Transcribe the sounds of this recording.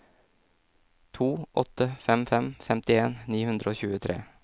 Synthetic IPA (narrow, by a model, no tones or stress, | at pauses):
t̪ʰuːʔɔt̪ːəfɛmfɛmfɛmt̪ɪeːnːiːhʉnd̪ɾəoːçʉːət̪ʰɾḛː